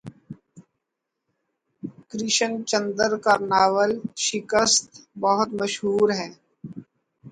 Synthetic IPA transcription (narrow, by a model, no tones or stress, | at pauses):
kɾɪʃə̃nt͡ʃə̃nd̪əɾkaɾnaːwəlʃɪkəst̪bəɦʊt̪məʃɦuːɾɦɛ̃ː